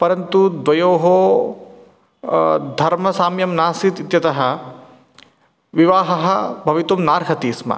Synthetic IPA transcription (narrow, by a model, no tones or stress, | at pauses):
pɐɾɐnt̪ud̪ʋɐjoːɦoː | d̪ʱɐɾmɐsaːmjɐmnaːsit̪it̪jɐt̪ɐɦɐ | ʋiʋaːɦɐɦɐ̆bʱɐʋit̪umnaːɾɦɐt̪iːsmɐ̰